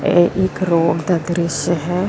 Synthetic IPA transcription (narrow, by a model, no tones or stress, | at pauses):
ḛʔɪkɾoːɡd̪aːd̪ɾɪʃəɦɛː